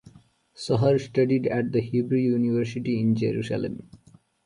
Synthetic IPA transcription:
sʌɦəɾsʈʌɖiɖæʈ̚d̪əhiːbɾujuːniʋəɾsiʈiɪ̃nd͡ʒeɾṵːsa̰lḛ̃m

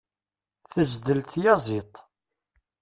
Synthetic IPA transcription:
θəzd̪əlθjɑzˤit̪ˤ

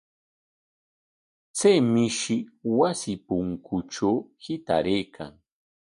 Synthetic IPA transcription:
t͡sajmɪʃɪwasɪpʊŋkʰʊʈ͡ʂawhɪt̪a̰ɾejkʰa̰ŋ

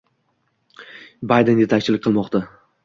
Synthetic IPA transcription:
bajd̪end̪ʲe̞t̪ʰak̚ʲt͡ʃʰɪlɪkʲqʰɨlˠmɒqt̪a

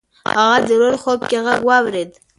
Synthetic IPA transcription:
ha̰ɣad̪əɾoɾxob̚keɣaɡwɑwɾed̪

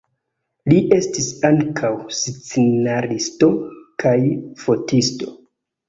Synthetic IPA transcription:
liʔe̞stisaŋkʰawst͡senaɾisto̞kʰajfo̞tisto̰

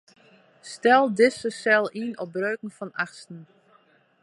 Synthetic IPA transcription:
stɛlˠdɪsəsɛlˠinɔp̚brøːkŋ̩fɔnaxstn̩

